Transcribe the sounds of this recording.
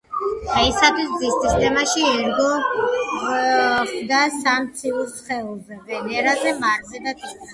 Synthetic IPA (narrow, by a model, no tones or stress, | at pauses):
χaisat̪ʰwisd̪zist̪ist̪ʰɛmaʃiɛɾɡɔ | χd̪asamt̪sʰiuɾsχɛɔzɛvɛnɛɾazɛmaɾzɛd̪ak̪ʰʼi